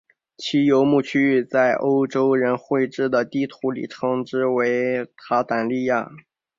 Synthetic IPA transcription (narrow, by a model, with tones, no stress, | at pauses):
t͡ɕʰi˧˥jo˧˥ʊmu˥˩t͡ɕʰy˥˧t͡sa˥˩ɪʔo˥ʊʈ͡ʂo˥ʊɻə˧˥nxwe˥˧ɪʈ͡ʂɻ̩˥˩d̪ə˩t̪i˥˩t̪ʰu˧˥lḭ˨˩ʈ͡ʂʰɤ˧˥ŋʈ͡ʂɻ̩˥we˧˥ɪt̪ʰa˧˥t̪a˨˩nli˥˧ja˥˩